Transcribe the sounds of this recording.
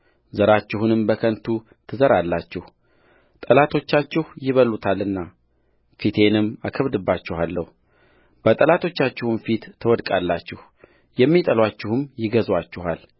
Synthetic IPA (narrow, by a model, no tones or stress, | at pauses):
zəɾat͡ʃːɪhunɨmbəkʰənt̪ʰu | t̪ʰɨzəɾalːat͡ʃːɪh | t̪ʼəlat̪ʰo̞t͡ʃːat͡ʃːɪhjɪβəlut̪ʰalɨnːa | fit̪ʰe̞nɨmːakʰəβd̪ɨbːat͡ʃːɪhalːəhu | b̥ət̪ʼəlat̪ʰo̞t͡ʃːat͡ʃːɪhunfit̪ʰːəwɔd̪kʼalːat͡ʃːɪh | jɛmːit̪ʼəlwat͡ʃːɪhɨmjɪɡəzwat͡ʃːɪhal